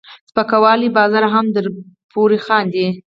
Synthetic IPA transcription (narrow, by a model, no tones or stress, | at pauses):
spəkawɑlibɑzɑɾaɦamd̪əɾ | pʰoɾixɑnd̪i